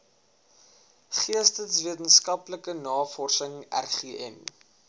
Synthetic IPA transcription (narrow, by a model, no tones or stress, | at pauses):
χiəstənsviətənskɐpləkənɑːfɔrsəŋæ̰rχiːʔɛ̰n